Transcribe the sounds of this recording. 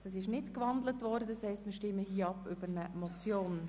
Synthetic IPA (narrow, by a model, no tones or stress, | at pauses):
d̥ɑs̬ɪʃnɪtkʋɑndlətʋɔɾdəshɛɪstməʃtɪmːəhiːəɑpʏb̥əɾnəmɔt͡sjoːn